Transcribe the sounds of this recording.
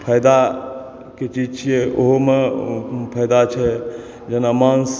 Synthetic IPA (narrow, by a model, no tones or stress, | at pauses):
pʰəjd̪a | ket͡ʃid͡ʒt͡ʃʰijɛʔo̰ɦome | pʰəjd̪at͡ʃʰɛ | d͡ʒenamans